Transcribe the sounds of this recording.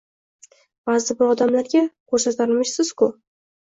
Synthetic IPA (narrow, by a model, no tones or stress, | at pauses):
b̥azɪbʊɒd̪amlaɾɡʲakʰɵɾsat̪ʰaɾmɪʃsɪz̥kʊ